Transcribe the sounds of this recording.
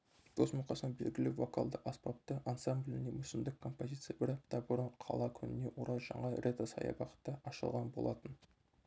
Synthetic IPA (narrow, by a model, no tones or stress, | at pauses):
d̪̥osmʊqɑsɑnbe̞̰lɡʲɪlɪvoka̰lˠd̪əʔɑspɑp̚t̪əʔansamblʲɪnemʏsɪmd̪ɪkʰːo̞mpozʲit̪sɨjabɪɾɑp̚t̪ɑbʊɾəɴqʰɑ̰lˠɑkʲʰʏnɪne̞ʔoɾɑjʒɑɴɑɾʲet̪osɑ̰jɑ̰bɑqət̪ːəɑʃəlˠʁɑnbo̞̰lˠɑt̪ən